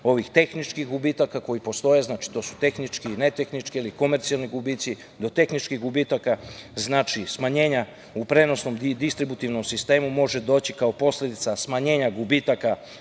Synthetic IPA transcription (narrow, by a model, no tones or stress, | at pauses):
o̞ʋixt̪e̞xnit͡ʃkixɡubiːt̪akako̞jipo̞st̪o̞je̞znaːt͡ʃi̥t̪o̞su̥t̪e̞xnit͡ʃkine̞t̪exnit͡ʃkiiliko̞me̞ɾt̪sialniɡubiːt̪si | d̪o̞t̪e̞xnit͡ʃkiɣɡubiːt̪akaznaːt͡ʃismaɲe̞ːɲa | upɾe̞no̞sno̞md̪ist̪ɾibut̪iʋno̞msist̪e̞ːmumo̞ʒe̞d̪o̞ːt͡ɕikaopo̞sled̪it̪sasmaɲe̞ːɲaɡubit̪aka